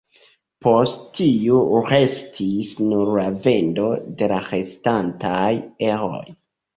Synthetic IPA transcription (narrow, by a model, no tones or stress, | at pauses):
po̞sttiuɾe̞stʰisnuɾlave̞ndo̞de̞laɾestantajeho̰j